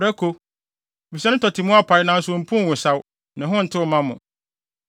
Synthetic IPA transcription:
ɾæ˦kʰo˦˨ | bi˨sɛ˦nʊ̃˦tʰɔ˨tʰi˨mʊ̃˦a˦pʰa˨˦ɪ˦nã˨˦˨sõ˨m̩˨pʰʊ̃˦˨wʊ̃˨sa˦w | nã˨ɦʊ̃˦n̩˨tʰɪ˦˨mã˦mʊ̃˨

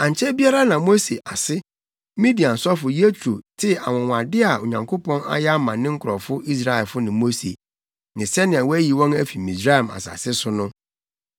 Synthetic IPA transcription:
ã˨ɲ˨t͡ɕʰɛ˦bi˦a˦ɾa˦nã˨mo˦se˨ʔa˨sɪ˦ | mĩ˦di˨ã˨n̩˨sɔ˦fʊ˨ji˦e˦tʰo˨tʰɪ˦a̰˨wɔ̃˨wʷã˨dɪ˦a˨o˨ɲã˨ŋkʰo˦pɔ̃˦na̰˦jɛ˦a˦mã˨nɪ̃˦ŋ̩˦kʰʊ˨ɔ˨fʊ˦ʔi˦s̬ɾa˨ɛ˨lfʊ˦nɪ̃˨mo˦sḛ˨ | nɪ̃˨sɛ˦nɪ̃˨a˨wɔ˦æ˦ji˨wɔ̃˦næ˦fi˨mĩ˨sɾa˦ɛ˨ma̰˨sa̰˨sɪ˦sʊ˦nʊ̃˦

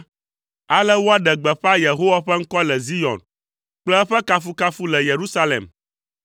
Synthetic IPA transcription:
a˨lɛ˦wo˦a˦ɖɛ˨ɡ͡bɛ˨ɸa˦je˨ɦo˦wa˦ɸɛ˦ŋ̩˦kɔ˦lɛ˨zi˦jɔ̰˨n | k͡plɛ˦ɛ˦ɸɛ˦ka˦fu˦ka˦fu˦lɛ˨je˨ɾu˦sa˦lḛ˨m

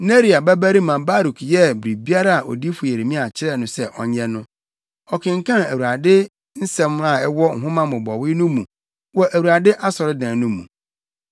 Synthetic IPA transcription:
ne˦ɾi˨a˨bæ˦bæ˦ɾi˦mã˨ba˦ɾu˨kʰjɛ˦bɾi˨bi˦a˦ɾa˨a˨ʔɔ̰˨di˦fʊ˨je˨ɾe˨mĩ˦a˨t͡ɕʰɪ˦ɾɛ˦˨nʊ̃˨˦sɛ˦ʔɔ˨ɲɛ˦nʊ̃˦ | ɔ˨kʰɪ̃˨ŋ̩˨kʰã˦æ˨wu˨ɾa˨dɪ˦ | n̩˦sɛ̃˦ma˨ɛ˦wɔ˦ŋ̩˨ɦʊ̃˦mã˦mʊ̃˨bɔ˨wɪ˦nʊ̃˦mũ˨ | wɔ˦ʔæ˨wu˨ɾa˨dɪ˦ʔa˦sɔ˨ɾɪ˦dãː˨nʊ̃˦mṵ̃˨

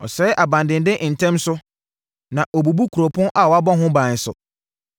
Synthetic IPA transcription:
ɔ̰˨sɛ˨˦ʔa˨bã˨ndɪ̃˨ndɪ˦ʔn̩˨tʰɛ̃˦msʊ˦ | nã˨ʔo˨bu˨bu˦kʰu˨ɾo˨pʰʊ̃˦ʔa˦˨wɔ˨˦a˦bɔ̃˦ɦʊ̃˦bã˨ɲ̩˨sʊ̰˨

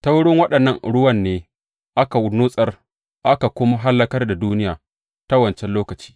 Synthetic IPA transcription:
ta˦wʊ˦ɽɪ˦ŋwɐ˦ɗɐ˨nːɐ˦ŋɽʊ˦wɐ˨nːeː˦ | ʔa˦ka˨wʊ˨nuː˦sʼɐ˦r | ʔa˦ka˨kʷʊ˦ma˦ɦa˦lːɐ˦kɐ˦rda˨duː˦nɪ˦jaː˨ | ta˦wɐ˨nt͡ʃɛ˦nloː˦kɐ˨t͡ʃi̥ː˦

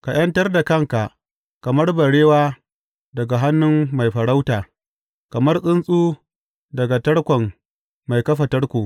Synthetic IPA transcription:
ka˨j̰ɐ˦ntɐ˦rda˨kɐ˦ŋka˨ʔ | kɐ˨mɐ˦rbɐ˨ɽeː˦waː˦ | dɐ˨ɡa˨ɦa˦nːʊ˦mːa˨jɸɐ˨ɽa˦wtaː˨ | kɐ˨mɐ˦rsʼɪ˦nsʼuː˦ | dɐ˨ɡa˨tɐ˦ɽkʷɔ˨ŋ | ma˨jkɐ˦ɸa˨tɐ˦rkʷuː˨

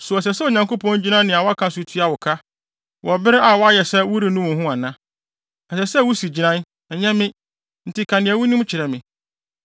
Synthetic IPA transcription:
sʊ˨ɛ˨s̬ɛ˨sɛ˦o˨ɲã˨ŋko˦pʰɔ̃˦n˦d͡ʑi˦nã˦n˦nɪ̃˨a˨wɔ˦a˦kʰã˨sʊ˨tʰu˦a˨wʊ˨kʰa˦ | wʔɔ˨bɪ˦ɾɪ˦a˨wɔ˦a˦jɛ˨sɛ˦wʊ˦ɾi˨nʊ̃˦wʊ̃˨ɦʊ̃˦a˨nã˦ | ɛ˨sɛ˨sɛ˦wu˦si˨d͡ʑi˨nã˦n | ɛ˨ɲɛ̃˦mɪ̃˦ | n̩˨tʰɪ˦kʰã˨nɪ̃˨a˨wʊ˦nʊ̃˦m˦t͡ɕʰɪ˨ɾɛ˨mɪ̃˨

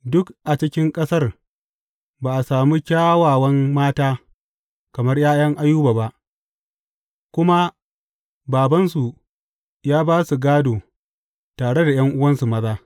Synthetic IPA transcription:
dʊ˦kʔa˨t͡ʃɪ˦kʲɪ˦ŋkʼɐ˦sɐ˦r | baː˨ʔa˨saː˨mi˦kʲaː˦waː˨wɐ˦mmaː˦taː˦ | kɐ˨mɐ˦rjaː˦j̰ɐ˦ŋʔa˦jːuː˦baː˨ba˦ʔ | kʷʊ˦ma˦ | baː˨bɐ˦nsu˨ | jaː˦baː˦su˨ɡaː˦doː˨ | taː˨ɽe˦da˨jɐ˦ŋʔʊ˦wɐ˦nsu˨mɐ˦zaː˦

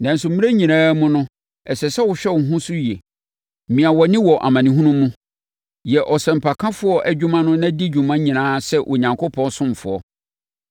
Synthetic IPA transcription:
nã˨n̩˨sʊ˨m̩˦mĩ˦e˦ɲĩ˨nãː˦mʊ̃˦nʊ̃˦ | ɛ˨sɛ˨sɛ˦wʊ˨ɕᶣɛ˦ʊ˨ɦʊ̃˦sʊ˦jɛ˨ | mĩ˨a˨wɔ˨nɪ̃˦wɔ˨ʔa̰˨mã˨nĩ˨ɦũ˦nũ˦mũ˦ | jɛ˨ʔɔ˨sɛ˨m̩˨pʰa˨kʰã˦fʊ˦ɔ˦ʔæ˨d͡ʑᶣũ˦mã˦nʊ̃˦nã˦di˦d͡ʑᶣũ˨mã˦ɲĩ˨nãː˦sɛ˦ʔʊ̰˨ɲã˨ŋkʰo˦pʰɔ̃˦nsʊ̃˦m˨fʊ̰˨ɔ̰˦

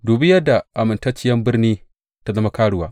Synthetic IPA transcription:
duː˨bɪ˦jɐ˦da˨ʔa˨mɪ˨nta˦t͡ʃɪ˦jɐ˦mbɪ˦rniː˦ | ta˦zɐ˦ma˦kaː˦ɽʊ˦waː˦ʔ

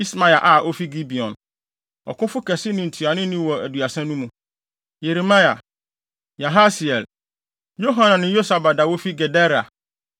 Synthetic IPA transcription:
i˦smã˨a˨ʔa˨ʔo˦fi˦ɡi˦bi˨ɔ̰̃˨n | ɔ̰˨kʰʊ̃˦fʊ˦kʰɛ˨sɪ˦nʊ̃˦n̩˨tʰu˨a˨nʊ̃˦nĩ˦wɔ˨æ˨du˨a˨sɛ̃˦nũ˦mũ˨ | je˨ɾi˨mã˦ja̰˨ | ja˨ɦa˦si˨ɛ˨l | jo˦ɦã˦nã˨nɪ̃˦jo˦sa˨ba˨da˨wo˦fi˦ɡɛ˨dɛ˦ɾa˨

